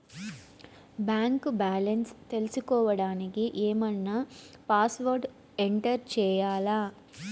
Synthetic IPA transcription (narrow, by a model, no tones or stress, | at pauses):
baːŋkbaːlɐnst̪e̞lisikɔːʋɐɽaːnikiʔeːmɐnːɐpaːsʋɐɾɖ | eɳʈɐɾt͡ʃɛːjaːlaː